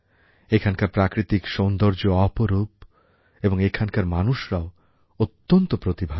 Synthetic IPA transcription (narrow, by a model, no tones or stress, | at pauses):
ekʰankaɾpɾakɾit̪ikʃond̪oɾd͡ʑoɔpoɾup | eboŋekʰankaɾmanuʃɾao | ot̪ːont̪opɾot̪ibʱa